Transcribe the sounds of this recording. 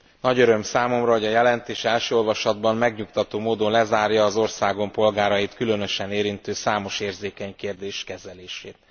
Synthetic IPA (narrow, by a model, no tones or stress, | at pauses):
nɒɟøɾø̞msaːmo̞mrɒɦo̞ɟɒjɛlɛnt̪eːʃɛlʃøːo̞lvɒʃɒd̪bɒmmɛɡɲukt̪ɒt̪oːmoːd̪o̞nlɛzaːrjɒːzo̞rsaːɡo̞mpo̞lɡaːɾɒjit̪kylø̞nø̞ʃɛneːɾint̪øːsaːmo̞ʃeːrzeːkɛɲkeːrd̪eːʃkɛzɛleːʃeːt̪̚